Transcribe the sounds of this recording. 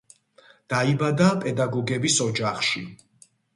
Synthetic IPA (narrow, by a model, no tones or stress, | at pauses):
d̪̥aibad̪apʼɛd̪aɡɔɡɛbisɔd͡ʒaχʃi